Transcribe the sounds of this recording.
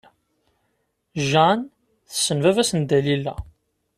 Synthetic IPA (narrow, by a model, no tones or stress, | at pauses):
ʒæn | θə̥sːənvævæsənd̪ælilːæ̰